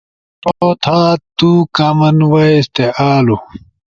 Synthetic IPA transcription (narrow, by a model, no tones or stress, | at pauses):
t̪ot̪ʰaːtt̪ːukaːmɐnwaest̪eaːlu